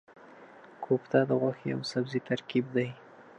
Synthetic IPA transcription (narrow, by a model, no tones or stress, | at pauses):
kʰopt̪ad̪əɣwaxja̰wsabzit̪aɾkib̚d̪aj